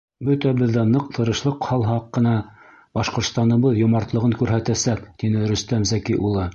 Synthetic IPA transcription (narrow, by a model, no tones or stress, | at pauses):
bɵt̪æbɘ̆ðːænɤq̚t̪ʰɤ̆ɾɤ̆ʃlˠɤqhɑlˠɦɑqːɤ̆nɑ | bɑʃqŏɾt̪st̪ɑnɤ̆βɤðjŏmɑɾt̪lˠɤ̆ʁɤŋkʉɾɦæt̪æsæp̚t̪inɘɾɵ̆st̪æmzækiʔulˠɤ